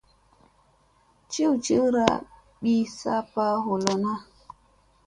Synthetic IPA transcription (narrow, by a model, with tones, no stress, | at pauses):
t͡ʃi˦wt͡ʃi˦wɾa̰˦ | ɓi˦sa˦pa˦ho˨lo˨na˦